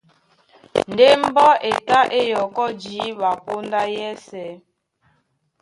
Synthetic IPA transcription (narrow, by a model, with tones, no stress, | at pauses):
n̩˨de˦m̩˦bɔ˦e˨ta˦ʔe˦jɔ˨kɔ˦d͡ʒi˨˦ɓa˨po˦n˦da˦jɛ˦sɛ˨˦